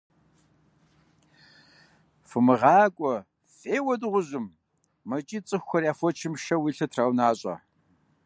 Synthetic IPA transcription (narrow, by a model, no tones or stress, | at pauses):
fɨmɨʁɑːkʷʼɔ | fʼeːwɐdɨʁʷʊʑɪmː | ɐt͡ʃʼiːt͡sʼɨxʷxʷɔrjaːfʷɔt͡ʃʰɪmʃɐwiːɬɐtʰraːwnaːɕʼɐ̰